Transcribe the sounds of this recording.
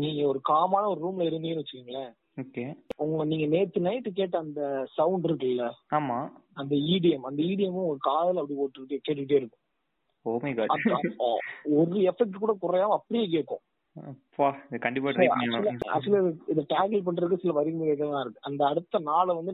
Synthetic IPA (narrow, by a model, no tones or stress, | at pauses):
niːŋɡɐɔɾɯkaːmaːnɐɔɾɯɾuːmɪlɐɪɾɯnd̪ijnːɯʋɐt͡ʃːɯkːiːŋɡɐɭɐ | oːkeːʊŋɡɐniːŋɡɐneːt̪ːɯnɐɪʈːɯk̬eːʈːɐɐnd̪ɐsɐwʊɳɖɪɾɯkːɪlːɐaːmaːɐnd̪ɐiːɽɪjɐmɐnd̪ɐiːɽɪjɐmɐ̃ʊŋɔɡɾɐkaːðɐlɐpːɐɽioːʈːɯkɪʈːɯkːeːʈ̬ːɯkɪʈ̬ːeːɪɾɯkːʊ̃ | oːmɐɪɡaːɐðɐ | ɔɾɯɛfɛk̚ʈkuːɽɐkʊɾɐjaːʋɐ̃ɐpːɐɽɪjeːk̬eːʈkːʊ̰̃ | faɪðɐkɐɳɖɪpːast͡ʃlɐɐ̰sɪlɐðɪðɐʈaːkɪlp̬ɐɳɪɾɯk̬ːɯsɪlːɐʋɐɾɪkɯmɡɐkeːʈ̬ːɐãːɪɾɯkːɯʔɐnd̪ɐːɽɯt̪ːɐnaːɭɐʋɐnd̪ɯ